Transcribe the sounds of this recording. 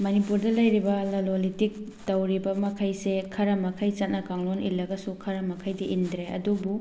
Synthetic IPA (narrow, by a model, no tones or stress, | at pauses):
mɐnipuɾdɐlɐjɾibɐlɐlolitik̚ | tɐwɾibɐmɐkʰajsekʰɐɾɐmɐkʰajt͡ʃɐt̚nɐkaŋlonḭlːɐɡɐsukʰɐɾɐmɐkʰajdiʔindɾeɐ̰dubu